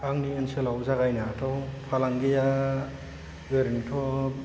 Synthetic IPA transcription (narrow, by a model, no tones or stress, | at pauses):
aŋnienselawzaɣajnatʰɔwpʰalaŋɡija | ɡeɾiŋtʰɔ